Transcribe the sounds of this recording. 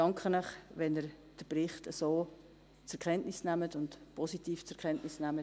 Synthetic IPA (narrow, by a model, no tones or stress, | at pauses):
d̥ɑŋkʰχənœχʋɛnəɾ | d̥əprɪχtəsoː | t͡sɛɾkʰɛntnɪsnæmətʊntpʰɔsitiːft͡sɛɾkʰɛntnɪsnæmət